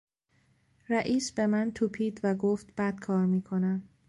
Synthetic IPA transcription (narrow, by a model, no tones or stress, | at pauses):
ɾæʔiːsbe̞mænt̪ʰupʰiːd̪væɡoːft̪b̥æd̪̥kʰɒːɾmiːkʰo̞næm